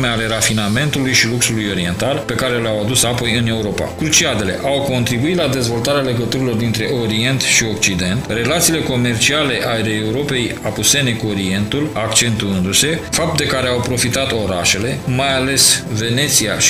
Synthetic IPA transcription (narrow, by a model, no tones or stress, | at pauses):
meale̞ɾafiname̞nt̪ulujʃiluksulujo̞ɾie̞nt̪alpe̞kaɾe̞leawad̪usapo̞jɨne̞uɾo̞pa̰kɾut͡ʃiad̪e̞le̞̰ʔawko̞nt̪ɾibuit̪lad̪e̞zvo̞lt̪aɾeale̞ɡət̪uɾilo̞rd̪int̪ɾe̞ʔo̞ɾie̞nt̪ʃio̞k̚t͡ʃid̪e̞nt̪re̞lat̪siːle̞ko̞me̞rt͡ʃiale̞ʔaeleːuɾo̞pe̞japuse̞ne̞kuo̞ɾie̞nt̪ulakt͡ʃe̞nt̪uɨnd̪use̞fap̚t̪̚d̪ekaɾe̞awpɾo̞fit̪at̪o̞ɾa̰ʃe̞le̞majale̞sve̞ne̞t̪siaʃ